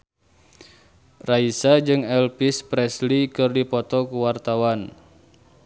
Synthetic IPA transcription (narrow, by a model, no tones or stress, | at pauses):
raisad͡ʒɨŋɛlpispɾɛslikɨrdipɔt̪ɔkuwart̪awan